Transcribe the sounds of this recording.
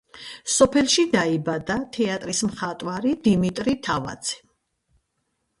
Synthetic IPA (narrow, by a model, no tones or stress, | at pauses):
sɔpʰɛlʃid̪aibad̪at̪ʰɛat̪ʼɾismχat̪ʼwaɾid̪imit̪ʼɾit̪ʰava̰d̪z̥ʰɛ̥